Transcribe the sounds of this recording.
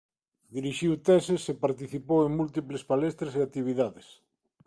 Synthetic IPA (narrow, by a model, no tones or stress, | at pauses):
d̪iɾiʃiwt̪ɛsesepaɾt̪iθipoweŋmult̪iplespalɛst̪ɾeseat̪iβ̞iðaðes